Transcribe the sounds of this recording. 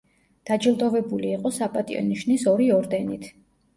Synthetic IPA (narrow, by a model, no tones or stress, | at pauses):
d̪̥ad͡ʒilˠt̪ʼɔvɛbuliːqʼɔsapʼat̪ʼḭɔ̰niʃnisɔɾiɔɾd̪ɛnit̪ʰ